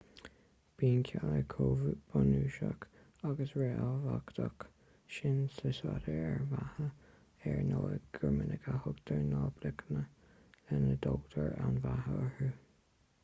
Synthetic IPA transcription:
b̥iːnkʰaləkʰoːvb̥anuːʃak | aɡəsɹeʔavakt̪ʰək | ʃɪnsəswaɾəɛɹvahə | ɛɹnoləɡ̥əmɪnəɡəhʊɡd̪̥əɹnɔːblɪkənə | lɛnəd̪oːɡt̪ʰəɹawnvahəəhu

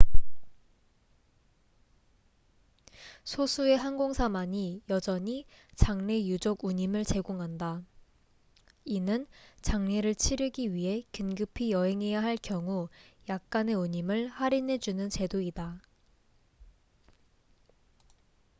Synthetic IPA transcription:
sʰosʰue̞ɦanɡoŋsʰamaɲijʌd͡ʑʌɲit͡ɕaŋne̞jud͡ʑoɡuɲimɯɭt͡ɕe̞ɡoŋɦanda | inɯnt͡ɕaŋne̞ɾɯɭt͡ɕʰiɾɯɡiɥiɦe̞kɯnɡɯpʰijʌɦe̞ŋe̞jaɦaɭkjʌŋujak̚k͈ane̞uɲimɯɭhaɾinɦe̞d͡ʑunɯnt͡ɕe̞doida

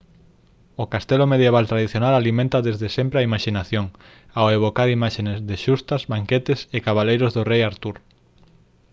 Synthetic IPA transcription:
ʊkast̪elʊmeðjeβ̞alt̪ɾaðiθjonalalimẽnt̪ɐðezðesempɾeaimaʃinaθjoŋ | aweβokaɾimaʃenezðeʃust̪ɐzβaŋket̪ɪsekaβalejɾʊzðʊrejaɾt̪uɾ

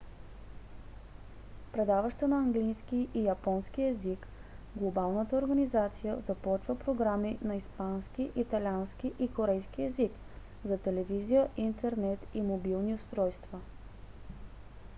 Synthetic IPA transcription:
pɾɛd̪avəʃt̪ənɐːŋɡlijskiʔijɐpɔnskiɛzik | ɡlˠobalˠnət̪əoɾɡənizat̪sijəzɐpɔt͡ʃvəpɾoɡɾaminɐispanskiʔit̪ɐlʲiansk̟iʔikoɾɛjsk̟iɛzik | zɐt̪ɛlɛvizijəʔint̪ɛɾnɛt̪imobilˠniʊst̪ɾɔjst̪və

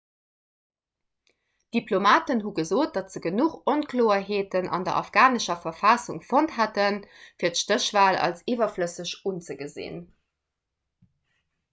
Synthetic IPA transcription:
d̥iplomaːtənɦuɡəzoːt̚d̥ɑtz̥əɡənuχonkʰloːɐɦeːtənʔɑ̰ndɐ̰ʔɑ̰fɡ̥aːnəʃɐfɐfɑsuŋfontɦætənfiːɐtʃtəɕv̥aːlɑ̰lsiːvɐfləsəɕunt͡səɡəzḛːn

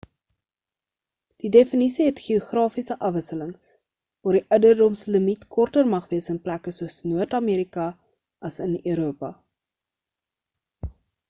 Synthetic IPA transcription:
d̥idefənisiɦɛtχioχrɑːfisəʔɐfvəsələŋs | vɑːrdiʔœwdərdɔmsələmitkʰɔrtərmɐχviəsənplækəsuəsnuərtɑmiːɾikɐ | ʔɐsənøːɾuəpɐ

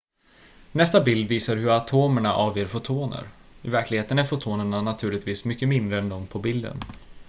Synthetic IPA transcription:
nɛst̪abɪld̪viːsaɾɦɵɾat̪ʰoːmæɳaʔɑːvjeːɾfʊt̪ʰuːnə̰ɾɪvæɾklɪɡheːt̪ənæɾfʊt̪ʰuːnəɳanat̪ʰʉ̟ːlɪt̪viːsmʏkːəmɪnd̪ɾəɛnd̪ɔmpʰɔbɪld̪ə̰n

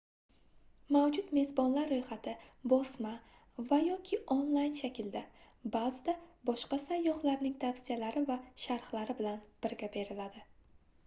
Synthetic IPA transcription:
mawd͡ʒʊt̪me̞zbɒnlaɾːojχat̪ʰɪbɒsma | vajɒkʲʰɪʔonlˠajnʃakʲɪld̪a | bazɪd̪abɒʃqɑsajːɒχlaɾnɪŋt̪ʰafsijalaɾɪvaʃaɾχlaɾɪbɪlanb̥ɪɾɡʲabe̞ɾɪlad̪ɪ

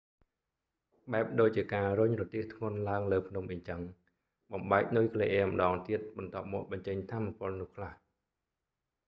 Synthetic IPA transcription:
ɓaɛp̚ɗoːc̚t͡ɕiəkaːrʊɲrɔt̪iəht̪ʰŋʊ̆ənlaəŋləːpʰnumʔɨɲt͡ɕəŋ | ɓɑmɓaɛk̚nujkʰleʔɛəmə̆ɗɑːŋt̪iət̪̚ɓɑnt̪ŏəp̚mɔːk̚ɓɑɲt͡ɕəɲt̪ʰaːmːapʊ̆əlnʊ̆əhkʰlah

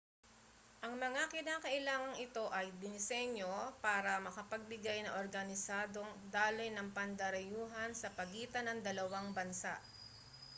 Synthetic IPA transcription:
ʔɐŋmɐŋakɪnaːkɐʔɪlaːŋɐŋɪt̪o̞ʔɐjd̪ɪnɪsɛɲo̞paːɾɐmɐkɐpɐɡ̚lɪɡajnɐʔoɾɡɐnɪsaːd̪o̞ŋd̪aːlɪjnɐŋpɐnd̪ɐɾɐjuːɦɐnsɐpɐɡiːt̪ɐnɐŋd̪ɐlɐwaŋbɐnsa̰ʔ

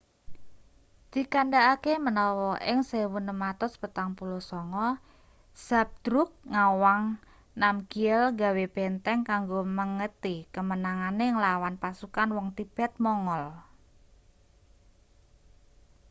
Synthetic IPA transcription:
d̪̥i̤kandaʔakemənɔwɔʔɪŋsewunəmat̪ʊspət̪aŋpulosɔŋɔ | sap̚d̪̥ɾʊk̚ŋawaŋ | namkiəlɡa̤web̥ɛnt̪ɛŋkaŋɡoməŋət̪ikəmənaŋaneŋəlawanpasukanwɔŋt̪ib̥ɛt̪̚mɔŋɔl

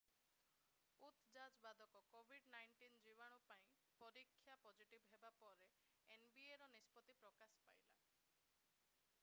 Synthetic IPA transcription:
ut̪d͡ʒad͡ʒbad̪ʱɔkɔkobʱiɖnajɳʈind͡ʒibaɽ̃ɔpaĩ | pɔɾikʰːjapɔd͡ʒiʈibɦebapɔɾe | enbieɾɔnispɔt̪ipɾɔkaspa̰jla̰

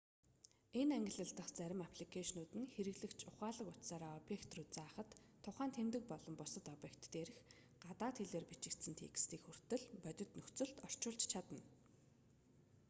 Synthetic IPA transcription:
enæŋɡʲɪ̆ɮə̆ɬt̪ə̆χt͡sæɾʲɪ̆mapʰɮikʰaʃnʊːt̪ɘ̆nxeɾɘ̆ɣɮɘ̆kt͡ɕʰʊχaːɮə̆kʊt̪saːɾaːɔpjekt̪ruːt̪̚t͡saːχə̆t̪ʰːʊχaːnt̪ʰemt̪ɘ̆k̚pɔɮɞ̆mpʊsə̆t̪ɔpjekt̪ːeːɾɘ̆x | ɢat̪aːt̪xeɮeːrpit͡ɕɪ̆kt̪sɘ̆nt̪ʰḛkst̪iːkxur̥t̪ɘ̆ɮpœt̪ʲɪ̆t̪nɵxt͡sɵ̆ɬt̪ɔr̥t͡ɕʊːɮt͡ɕt͡ɕʰat̪ə̆n

